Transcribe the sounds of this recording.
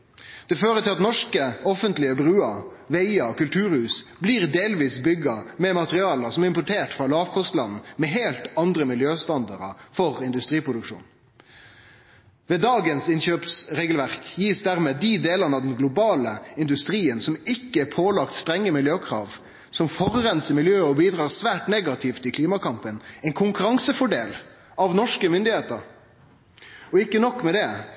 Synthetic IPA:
d̪̥ɛføːʁət̪ʰɪlɑt̪nɔʂkəɔfənt̪lɪəbɾʉːɑ | ʋɛɪɑkʉlt̪ʰʉːɾhʉːsbliːʁd̪eːlʋiːsbʏɡɑmɛmɑt̪əʁɪɑːləsɔmæɾɪmpʊʈʰeːʈfʁɑlɑːʋkʰɔst̪lɑnn̩mɛɦeːlt̪ɑnd̪ɾəmɪljøːst̪ɑnd̪ɑɾə̰fɔʁɪnd̪ʉst̪ɾiːpʰʁʊd̪ʉkʂṵːn | ʋɛd̪ɑːɡənsɪnɕøːpsʁeːɡəlʋæʁkjiːsd̪æʁmeːd̪id̪eːlənɑd̪ɛnɡlʊbɑːləɪnd̪ʉst̪ʁiːənsɔmɪkːəæpʰoːlɑkt̪st̪ɾɛŋːəmɪljøːkʰʁɑ̰ːʋ | sɔmfɔʁʁɛnsəmɪljøːɔbiːd̪ʁɑːʁsʋæːʈneːɡɑt̪ʰɪft̪ɪkʰliːmɑkɑmpənɛɪnkʰʊŋkʉɾɑŋsəfɔɖeːl | ɑʋnɔʂkəmʏnd̪ɪheːt̪əɾ | ɔɪkːənɔkːmɛd̪ɛ

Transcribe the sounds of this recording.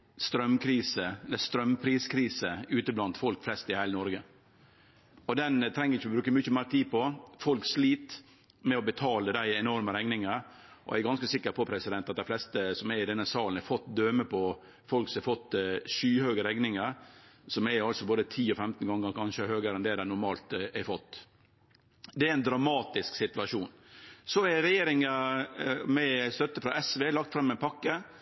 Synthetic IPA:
st̪ɾœmkʰɾiːsəɛlːəɾst̪ɾœmpʰɾiːskʰɾiːsəʉːt̪əblɑnt̪fɔlkflɛst̪ɪhæɪlənɔɾɡə | ɔd̪ɛnt̪ʰɾɛŋːəɾɪçːəɔbɾʉːkəmʏçəmæːɾt̪ʰiːd̪pɔfɔlksliːt̪ | mɛɔbət̪ʰɑːləd̪æɪɛnɔɾməɾɛŋnɪŋəɾʔɔ̰æɾɡɑnskəsɪkːəɾpʰɔpʰɾɛsɪd̪ɛnt̪ɑt̪̚d̪æɪflɛst̪əsɔmɛɾɪd̪ɛnːəsɑːlənɛɾfɔt̪ːd̪øːməpʰɔ | fɔlksɔhɛɾfɔt̪ːʃyːhøːɡəɾɛŋnɪŋəɾsɔmɛɑlsɔboːd̪ət̪ʰiːɔfɛmt̪n̩ɡɑŋːəɾkʰɑnʃəɛɾhøːɡəɾɛnd̪ɛd̪æɪnʊɾmɑːlt̪ɛɪfɔt̪ː | d̪ɛææɪnd̪ɾɑmɑːt̪ɪsksɪt̪ʉʋɑʂuːnsɔæɾɛjeːɾɪŋə | mɛst̪œt̪ːəfɾɑʔɛsʋeːlɑk̚t̪fɾɑmːɛɪnpʰɑkːə

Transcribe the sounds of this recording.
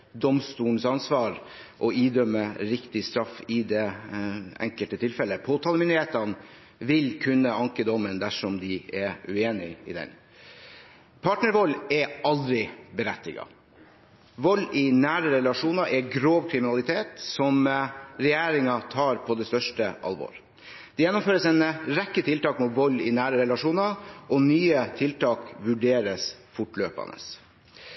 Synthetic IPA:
d̪ɔmst̪uːən̩əsɑnsʋɑːɾ | ʔɔiːd̪œmːəɾɪkt̪ɪst̪ɾɑfːɪd̪ɛ | ɛ̰ŋkəlt̪ət̪ʰɪlfɛlːəpʰoːt̪ʰɑːləmʏnd̪ɪɾheːt̪ɑn | ʋɪlkʰʉnːəɑŋkəd̪ɔmːənd̪æʂɔmd̪ɪʔɛʉeːnɪɪ̰d̪ɛ̰n | pʰɑːʈnəɾʋɔlːɛʔɑld̪ɾɪbəɾɛt̪ːɪɡɑ̰ | ʋɔlːɪnæːɾəɾɛlɑʂuːnɑʔɛɡɾoːʋkʰɾɪmɪnɑlɪt̪ʰeːt̪sɔmɾɛjeːɾɪŋɑt̪ʰɑːɾpʰɔd̪ɛst̪œʂʈəʔɑ̰lʋo̰ːɾ | d̪̥ɛjɛnːɔmføːɾəsɛnɾɛkːət̪ʰɪlt̪ɑːkmut̪ʋɔlːɪnæːɾəɾɛlɑʂuːnɑʔɔnyːət̪ʰɪlt̪ɑːkʋʉɖeːɾəsfʊʈløːpɑ̰nə̰s

